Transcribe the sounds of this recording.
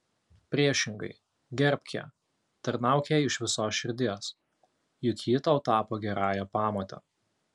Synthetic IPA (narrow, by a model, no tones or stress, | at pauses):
pʲɾʲiɛʃʲɪŋɡɐ̰ɪ | ɡʲɛɾʲpʲkʲɛ̰ː | t̪ɐɾnɑˑʊkʲeɪʃʋʲɪsoːsʃʲɪɾʲd̪ʲiɛs | jʊkʲʰiːt̪ɐʊt̪ɑːpoːɡʲɛɾɑːjɛːpɑːmoːt̪ʲɛ̰